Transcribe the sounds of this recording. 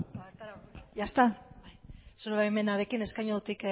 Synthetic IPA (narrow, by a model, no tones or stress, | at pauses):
aeɾt̪aɾaɾjast̪abajsuɾeβajme̞naɾe̞kine̞skajɲoðut̪ik